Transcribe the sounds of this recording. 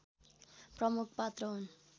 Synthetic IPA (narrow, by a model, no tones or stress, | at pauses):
prʌmukʰpat̪rʌɦun